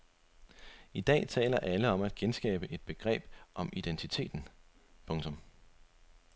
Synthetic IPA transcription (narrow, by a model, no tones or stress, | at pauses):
id̥ɛ̰ːt͡sʰɛ̰ːlɐʔæləɒ̽mæd̥ɡ̥ensɡ̥ɛ̰ːb̥əʔe̝d̥̚b̥e̝ɡ̥ʁɛ̰ːb̥ʔɒ̽mid̥ent͡sʰit͡sʰe̝̰ːd̥n̩ | pʰɔ̽ŋt͡sʰɔ̽m